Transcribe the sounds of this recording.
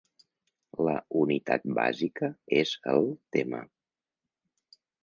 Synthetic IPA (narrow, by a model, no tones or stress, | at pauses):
ləunit̪at̪̚ba̰zikəezəlˠt̪emə